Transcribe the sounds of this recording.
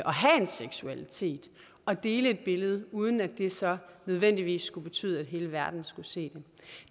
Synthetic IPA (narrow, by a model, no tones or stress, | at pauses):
ʔɒ̽ɦæe̝nseɡ̥suælit͡sʰe̝̰ːd̥ | ɒ̽d̥e̝ːləe̝d̥̚b̥e̝ləð̞̩ˠuːð̞ˠn̩æd̥e̝sɒ̽nøð̞ˠʋen̰d̥iʋḭːsːɡ̥ub̥e̝t͡sʰy̰ːðˠæd̥ɦe̝ːləʋæɐd̥n̩sɡ̥use̝̰ːd̥e̝